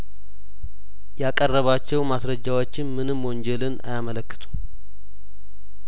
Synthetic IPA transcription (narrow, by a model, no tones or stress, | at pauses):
jakʼərːəβat͡ʃːɛwmasɾəd͡ʒːawot͡ʃːɪnmɨnɨmwond͡ʒɛlɨna̰jamələkːɨ̥t̪ʰu̥m